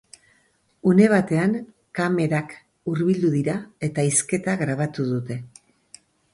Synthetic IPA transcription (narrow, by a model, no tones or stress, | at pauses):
une̞β̞at̪e̞an | kame̞ɾak | uɾβild̪uðiɾae̞t̪aiske̞t̪aɣɾaβ̞at̪uðut̪e̞